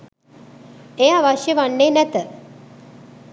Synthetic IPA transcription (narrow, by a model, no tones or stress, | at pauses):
ejaʋaʃjəʋanːeːnæt̪ə